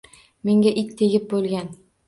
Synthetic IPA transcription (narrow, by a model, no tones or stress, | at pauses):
me̞ŋɡʲaʔɪkʲt̪ʰeɡʲɪp̚bolˠɡʲan